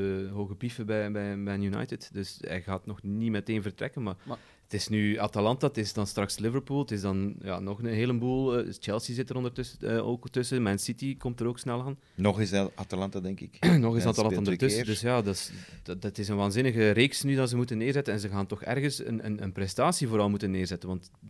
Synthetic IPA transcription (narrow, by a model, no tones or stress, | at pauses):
əɦoːɣəpifəbɛjbɛjbɛjənjuna̰jtɪtdɵsɛ̰jɣaːtnɔxnimɛteːnvərtrɛ̰kənmaːr | tɪsnyatalɑntatɪsdɑnstrɑkslɪvəɹpuːlˠtɪsdɑnja̰ːnɔxənɦeːlənbuːlˠt͡ʃɛlˠsizɪtəɾɔndərtso̰ktɵsəmɛnsitikɔmtəɾoːksnɛlˠaːn | nɔxɪsatalɑntadɛŋkɪknɔxɪsɑtalɑnɔndətsədɵsjaːdɑ | tɪsənʋaːnzɪnəɣəreːksnydɑnzəmutənːɪːrzɛtənɛnzəɣaːntɔxɛ̰rɣəsə̰nə̰nə̰nprɛstaːsivoːɾɑlˠmutənːɪːrzɛtənʋɑnt